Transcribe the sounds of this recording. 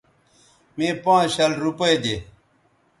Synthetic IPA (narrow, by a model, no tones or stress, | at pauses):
mẽːpãːɕɐlɾupɐjd̪eː